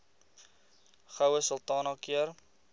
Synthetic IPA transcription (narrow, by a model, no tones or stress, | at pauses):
χəwəsəlt̪ɑːnɑkiər